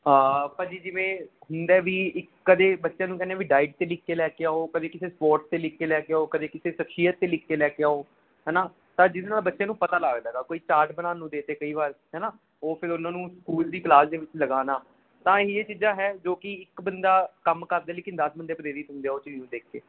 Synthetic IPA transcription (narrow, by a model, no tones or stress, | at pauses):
apəɾd͡ʒiːd͡ʒɪʋẽːɦʊnd̪ɛːʋiːɪkːəd̪eːbətːʃjãːnũːkɛːneaːʋiːɖaːɪɖ̚t̪eːlɪkːeːlɛːkeaːɦoːkəd̪eːkɪseːspɔːɾʈst̪eːlɪkːeːlɛːkeaːɦoːkəd̪eːkɪseːʃəkʃijət̪ːeːlɪkʰːeːlɛːkeaːɦoː | ɦɛːnaː | t̪ãːd͡ʒɪd̪eːnaːlbətːʃejãːnũːpət̪aːlaːɡd̪aːɡaːkoːiːt͡ʃaːɾʈbənaːnũːd̪eːt̪eːkəiːʋaːɾɦɛːnaː | oːpʰɪɾʊnãːnũːskuːld̪iːklaːsd̪eːʋɪt͡ʃləɡaːnaː | t̪ãːieːt͡ʃiːd͡ʒaːɦɛːd͡ʒoːkɪɪkbənd̪aːkəmkəɾd̪aeːleːkɪnd̪əsbənd̪eːpəɾeːɾit̪ɦʊ̃nd̪eːaɦoːt͡ʃːiːnũːd̪eːkʰːḛː